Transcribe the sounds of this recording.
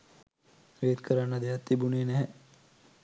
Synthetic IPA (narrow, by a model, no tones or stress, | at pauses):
ʋeːd̪kʰəɾanːad̪eɐt̪ːibuneːnɛɦɛ